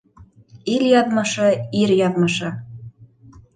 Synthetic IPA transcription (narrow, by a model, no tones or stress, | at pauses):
iljɑðmɤ̆ʃɤ̆iɾjɑðmɤ̆ʃɤ̆